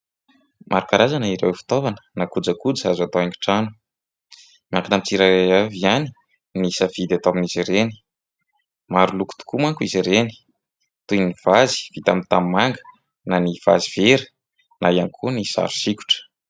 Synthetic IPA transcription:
mʔaɾukaɾazaniɾewfi̥t̪ovanə̥nakud͡zakud͡zazat̪oaŋku̥ʈ͡ʂanu̥ | miaŋkinamt͡siɾaejaviani̥ | nisavid̪at̪aminiziɾeni̥ | maɾuluku̥t̪u̥kumakuiziɾeni̥ | t̪ujniv̥azi̥vit̪amit̪ammaŋɡə̥ | naniv̥aziveɾə | naiankʰunisa̰ɾu̥siku̥ʈ͡ʂə̥

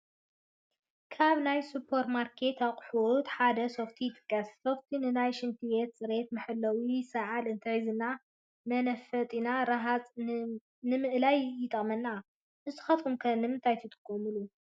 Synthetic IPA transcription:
kʰaβnajsupʰoɾt̪maɾkʰe̞t̪aqʼħut̪ħad̪ɐsoft̪ʰit̪ʼɨkʼːɐssoft̪ʰinɨnajʃɨnt̪ʰijet̪sʼɨɾe̞t̪mɨħɨlːɐwisɐʕalɨnt̪ʰɐizɨnːa | mɐnɐfɐt̪ʼinaɾɐɦat͡sʼ | nɨmɨʔlajːɪt̪ʼɐχʼmɐnːa | ʔɨzt̪ʰːɨ̥xɐt̪ʼkumkʰɐnɨmɨnt̪ʰajt̪ʰɨt̪ʼɨ̥kʼːomɨlu

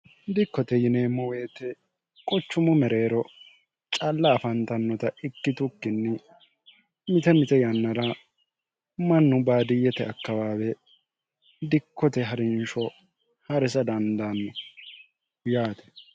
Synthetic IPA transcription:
d̪ɪkːɔt̪ɛjɪne̞ːmːɔwe̞ːt̪ɛ | kʼɔt͡ʃːʊmʊmɛɾe̞ːɾɔ | t͡ʃʼɐlːɐːfɐnt̪ɐnːɔt̪ɐɪkːɪt̪ʊkːɪnːɪ | mɪt̪ɛmɪt̪ɛjɐnːɐɾɐ | mɐnːʊbaːd̪ɪjɛt̪ɛɐkːɐwaːwɛ | d̪ɪkːɔt̪ɛɦɐɾɪnʃɔ | hɐɾɛsɐd̪ɐnd̪anːɔ | jaːt̪ɛ̥

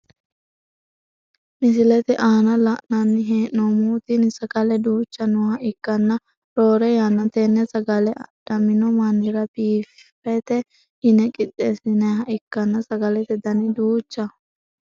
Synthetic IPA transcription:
mɪsɪlɛt̪ɛʔaːnɐlɐʔnɐnːɪɦeːʔnɔmuːt̪inɪsɐɡɐlɛd̪uːt͡ʃːɐnʊhɐʔɪkːɐnːɐ | ɾoːɾɛjanːɐt̪ɛnːɛsɐɡɐlɛɐ̰d̪̥ɐmɪnɔmɐnːɪɾɐbiːf | ɛt̪ɛ | ɪnɛkʼɪt̪ʼːeːsɪnɐɦɐʔɪkːɐnːɐsɐɡɐlɛt̪ɛd̪ɐnɪd̪uːt͡ʃːɐ

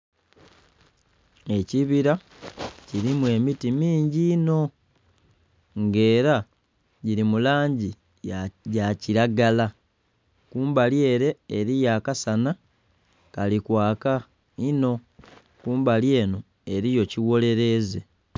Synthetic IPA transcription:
e̞ciβiɾa | ciɾimwe̞mitimiːɲɟino̞ | ŋɡe̞ːɾa | ɟiɾimulaːɲɟi | ɟaciɾaɡala | kuːmbalje̞ːɾe̞ːɾijakasana | kalikwaːka | ino̞ | kuːmbalje̞ːno | e̞ɾijo̞ciwo̞le̞ɾe̞ze

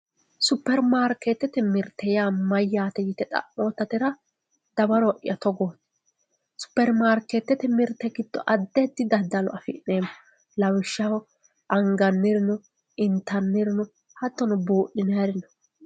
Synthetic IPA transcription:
sʊpːɛɾmaːɾkːet̪ːɛt̪ɛmɪɾt̪ʰːɛjaːmɐjːaːt̪ɛjɪt̪ɛt̪ʼɐ̰ʔoːt̪ːɐt̪ɪɾɐ | d̪̥ɐbɐɾɔʔɪ̰jɐt̪ɔɡoːt̪ | sʊ̥pːɛɾmaːɾket̪ːɛt̪ɛmɪɾt̪ːɛɡɪd̪̥ːɔ̰ʔɐd̪ːɛd̪ɪd̪ɐd̪ːɐlɔ̰ɐfɪ̰ʔneːmɔ | lɐwɪʃːɐwɔ | ʔɐŋɡɐnːɪɾɪnʊ | ɪnt̪ɐnːɪɾɪnɔ | hɐt̪ːɔnʊbuːʔɪneːɾɪnɔ

